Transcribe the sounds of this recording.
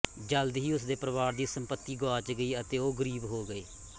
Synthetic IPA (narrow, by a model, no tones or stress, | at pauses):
d͡ʒəld̪ɦiːʊsd̪eːpɾəʋaːɾd̪iːsəmpət̪ːiːɡoaːt͡ʃɡəiːət̪eːoːɡəɾiːbɦoːɡəeː